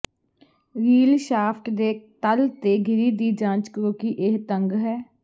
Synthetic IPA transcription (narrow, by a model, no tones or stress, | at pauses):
ɾiːlʃaːpʰʈd̪eːt̪əlt̪eːɡʱɪɾiːd̪iːd͡ʒãːt͡ʃkɾoːkiːʔeɦt̪əŋɡɦɛː